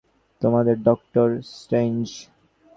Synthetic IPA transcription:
t̪omad̪eɾɖɔk̚ʈoɾsʈɾend͡ʒ

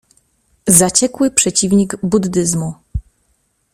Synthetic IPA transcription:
zat͡ɕɛkwɘpʂɛt͡ɕivɲiɡbud̪ːɘzmu

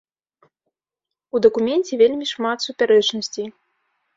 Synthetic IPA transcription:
ud̪ɐkumʲɛnʲt͡sʲɛvʲelʲmʲiʂmat̪supʲaɾɛt͡ʂnɐsʲt͡sʲij

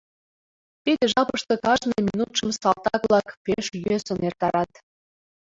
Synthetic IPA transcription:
t̪id̪eʒɑpəʃt̪ŏkɑʒneminut̪ʃə̆msɑlˠt̪ɑklɑkpeʃjøsə̆nert̪ɑɾɑt̪

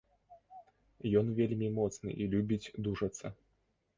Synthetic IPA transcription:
jɔnvʲelʲmʲimɔt̪snɨ̰ʔilʲubʲit͡sʲd̪uʂɐt̪sːɐ

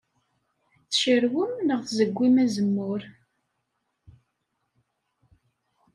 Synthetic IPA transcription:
θʃəɾwəmnəʁθzəɡʷːimæzəmːʊɾ

